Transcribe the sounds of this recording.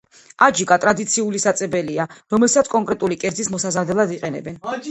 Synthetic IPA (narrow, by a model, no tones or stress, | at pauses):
ad͡ʒikʼat̪ʼɾad̪it̪sʰiulisat̪sʼɛbɛliaɾɔmɛlsat̪sʰkʼɔŋkʼɾɛt̪ʼulikʼɛɾd̪zismɔsazad̪ɛlˠad̪iqʼɛnɛ̰bɛn